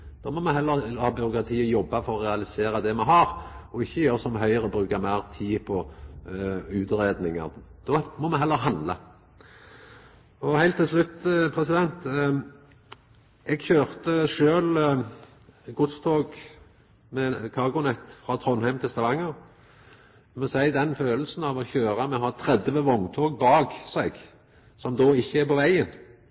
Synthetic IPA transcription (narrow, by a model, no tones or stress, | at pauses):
d̪̥ɔːmɔmɛɦɛlːəɾhɑːbʏɾʊkɾɑt̪ʰiːəjɔbːɑfɔɾɔɾɛɑlɪseːɾɑd̪ɛmɛɦɑɾɔɪçːəjøːɾsɔmɦœʏəɾəbɾʉːkɑmæɪʁt̪ʰiːpʰɔ | ʉːt̪ɾeːd̪nɪŋə̰ɾd̪̥ɔmɔmɛɦɛlːəɾɦɑnd̪lɑ | ɔhæɪlt̪ːɪlslʉt̪ːpʰɾɛsɪd̪ɛnt̪ | ɛɡçøːʁt̪əʂøːl | ɡʊt̪st̪ʰoːɡ | mɛkʰɑʁɡʊnɛt̪ːfɾɑt̪ʰɾɔnhæɪmt̪ʰɪlst̪ɑʋɑŋːəʁ | mɛsæɪd̪ɛnføːll̩sn̩ɑːʋɔçøːɾɑmɛɦɑːt̪ʰɾɛd̪əʋəʋɔnt̪ʰoːɡ̚bɑːɡsɛɡ | sɔmd̪oːɪçːəæɾpɔʋæɪən